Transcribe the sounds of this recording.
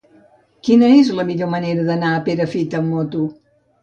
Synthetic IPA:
kinəezləmiʎoməneɾəðənaəpeɾəfit̪əmːot̪u

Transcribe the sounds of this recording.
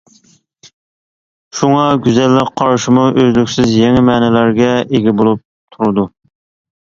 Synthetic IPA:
ʃuŋɑɡʲyzɛlːɪqqʰɑɾʃimuʔøzlykʲsɪzjeŋɪmɛːnɛlæɾɡʲɛeɡʲibolˠup̚ | t̪ʰuɾɨd̪u

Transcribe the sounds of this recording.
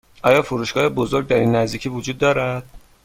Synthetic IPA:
ʔɒːjɒːfuɾuːʃɡ̥ɒːhebozo̞ɾɡ̚d̪æɾiːnːæzd̪iːcʰiːvud͡ʒuːd̪ːɒːɾæd̪̥

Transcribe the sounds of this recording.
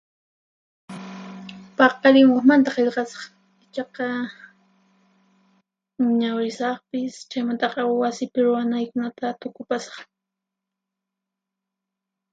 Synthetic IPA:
pɑqɑɾɪmoχmant̪aqeʎqɑsɑ̥χ | ɪt͡ʃɑqɑ | ʊɲawɾɪsɑχpɪst͡ʃajmant̪ɑqɑwasɪpɪɾʊwanajkʊnat̪at̪ʊkʊpasɑ̥χ

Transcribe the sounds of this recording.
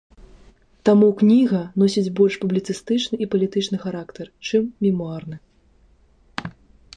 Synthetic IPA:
t̪amuknʲiɣɐnɔsʲid͡zʲbɔlʲʂpublʲit̪sɨst̪ɨt͡ʂnɨʔipɐlʲit̪ɨt͡ʂnɨxaɾakt̪ɐrt͡ʂɨmːʲimuarnɨ

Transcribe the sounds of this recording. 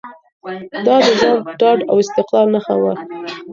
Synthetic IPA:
d̪ɑd̪əzɑnɖɑɖa̰wɪst̪ɪqlɑlnaxa̰wa

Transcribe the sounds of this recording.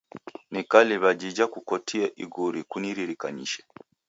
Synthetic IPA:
nikaliβad͡ʒid͡ʒakukɔtʰiaʔiɡuɾikuniɾiɾikaɲḭʃɛ̥

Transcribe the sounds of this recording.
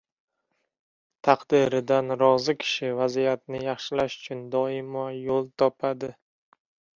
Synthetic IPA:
t̪ʰɑqd̪ɪɾɪd̪anɾɒzɪkʲʰɪ̥ʃɪvazijat̪̚nɪjɑχʃɪlaʃʊ̥t͡ʃʰʊnd̪ɒɪmɒjolˠt̪ʰɒpʰad̪ɪ

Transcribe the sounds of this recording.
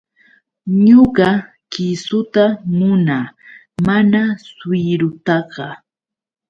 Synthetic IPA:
ɲoɢɑ | kɪsʊt̪amʊna | manaswɪɾʊt̪ɑɢɑ

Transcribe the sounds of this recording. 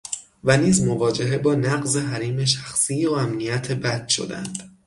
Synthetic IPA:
væniːzmo̞vɒːd͡ʒe̞ɦe̞bɒːnæɢze̞ɦæɾiːme̞ʃæxsiːoæmnijæt̪ʰe̞bæd̪̥ʃo̞̰d̪æ̰nd̪̥

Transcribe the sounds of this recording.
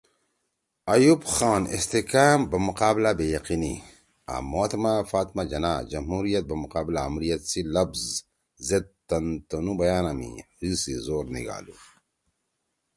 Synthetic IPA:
ɐjubxaːnḭst̪ikaːmbɐmuqaːblabejɐqini | a̰mot̪mafaːt̪mad͡ʒɐnad͡ʒɐmɦuːɾijɐt̪̚bɐmuqaːblaɐmɾijɐt̪silɐbz | zed̪̚t̪ɐnt̪ɐnubɐjaːnamḭhisizoːɾnḭɡa̰ːlṵ

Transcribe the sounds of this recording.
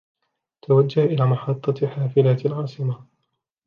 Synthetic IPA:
t̪awad͡ʒːahʔɪlaːmɑħɑt̪ˤːɑħaːfɪlaːt̪alʕɑːsˤɨma

